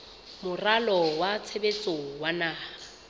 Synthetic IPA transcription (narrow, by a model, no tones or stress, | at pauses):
mʊralɔwat͡sʰebet͡sʼowanaːa